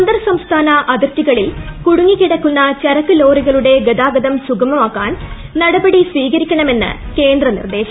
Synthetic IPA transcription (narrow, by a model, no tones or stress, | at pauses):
sɐnd̪ɐrsɐmst̪ʰaːnɐʔɐd̪ɐrt̪iɣɐɭilkuɽuŋːikːiɽɐkːunːɐt͡ɕɐɾɐkːɨlo̞ːriɣɐɭuɽe̞ɡɐd̪aːɡɐd̪ɐmsuɡɐmɐmaːkːaːn | nɐɽɐbɐɽisʋiːɣɐɾikʲːɐɳɐme̞nːɨ̰ke̞ːnd̪rɐnḭrd̪e̞ːɕɐ